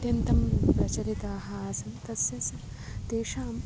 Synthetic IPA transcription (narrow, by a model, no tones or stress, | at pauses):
t̪jɐnt̪ɐmpɾɐt͡ʃɐɾit̪aːɦɐsɐnt̪ɐsjɐsɐ | t̪eːʃaːm